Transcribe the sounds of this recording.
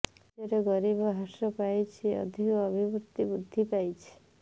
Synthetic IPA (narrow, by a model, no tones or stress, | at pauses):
eɾeɡɔɾibɔɦasɔpajt͡ʃʰiɔ̰d̪ʱikɔɔbʱibut̪ːibud̪ʱːipajt͡ʃʰi̥